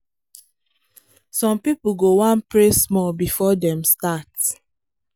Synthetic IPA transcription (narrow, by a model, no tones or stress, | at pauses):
sɔ̃mpipuɡowãnpɹesmɔbifɔdɛ̃mstat